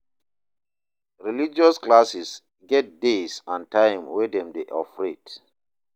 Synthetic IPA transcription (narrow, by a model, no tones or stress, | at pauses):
ɹilid͡ʒɔsklasis | ɡɛt̚desãntãjmwɛdɛ̃mdeʔɔfɹet